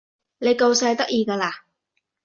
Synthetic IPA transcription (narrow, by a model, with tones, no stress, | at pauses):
ne˨˧jko˧wsɐ˧jt̪ɐ˥k̚jiː˧kaː˧laː˧